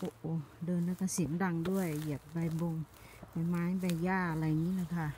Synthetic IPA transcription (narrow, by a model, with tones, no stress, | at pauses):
ʔo˧ʔo˧˩dɤː˧nla˧˦ka˧˩si˨˦mda˧˨ŋdu˥˩˨əji˧˩əp̚ba˧˩jbo˧ŋ | ba˧˩jmaː˨˦˥jba˧˩jːaː˧˩˧la˧jŋiː˧˥˨na˧˩kʰa˧